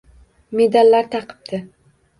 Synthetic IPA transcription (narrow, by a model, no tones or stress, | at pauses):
me̞d̪alːaɾt̪ʰɑqʰɨ̥p̚t̪ʰɪ